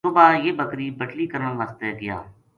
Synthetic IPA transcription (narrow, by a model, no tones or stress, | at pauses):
ʊbaːjeːbəkɾiːbəʈliːkəɾəə̃ʋaːst̪eːɡɪja̰ː